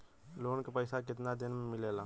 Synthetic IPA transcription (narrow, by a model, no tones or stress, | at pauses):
loːnkepəɪsakɪt̪nad̪ɪnmemɪlela